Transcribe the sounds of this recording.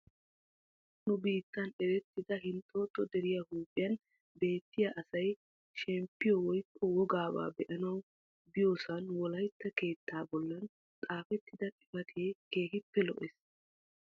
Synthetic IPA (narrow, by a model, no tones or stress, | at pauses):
nʊbiːt̪ːɐnɛɾɛt̪ːɪd̪ɐɦɪnt̪ʼːoːt̪ːɔd̪ɛɾɪjɐhuːpʼːɪjɐn | be̞ːt̪ːɪjɐʔɐsɐj | ʃɛmpːɪjɔwɔjkːɔwɔɡaːba̰ːbɛʔɐnɐw | bɪjoːsɐnwɔlɐjt̪ːɐke̞ːt̪ʰːaːbɔlːɐn | t̪ʼaːfɛt̪ːɪd̪ɐʔɪfɐk̪ʰeke̞ːɦɪpːɛlɔ̰ʔes